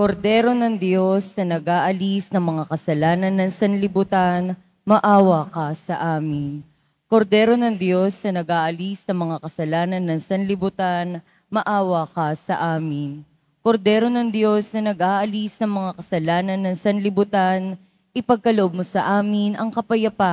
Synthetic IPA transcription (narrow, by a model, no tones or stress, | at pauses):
koɾd̪ɛːɾo̞nɐŋd̪jo̞snɐnɐɡʔaːʔɐlisnɐŋmɐŋakɐsɐlaːnɐnːɐŋsɐnlɪbʊt̪an | mɐʔaːwɐkɐsɐʔaːmɪn | ko̞ɾd̪ɛːɾo̞nɐŋd̪jo̞snɐnɐɡʔaːʔɐlisnɐŋmɐŋakɐsɐlaːnɐnːɐŋsɐnlɪbʊt̪an | mɐʔaːwɐkɐsɐʔaːmɪn | ko̞ɾd̪ɛːɾo̞nɐŋd̪jo̞snɐnɐɡʔaːʔɐlisnɐŋmɐŋakɐsɐlaːnɐnːɐŋsɐnlɪbʊt̪an | ʔɪpɐɡ̚kɐloʔob̚mosɐʔaːmɪnʔɐŋkɐpɐjɐpa